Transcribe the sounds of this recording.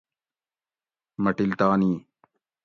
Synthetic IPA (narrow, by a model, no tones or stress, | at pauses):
mɐʈilt̪aːniː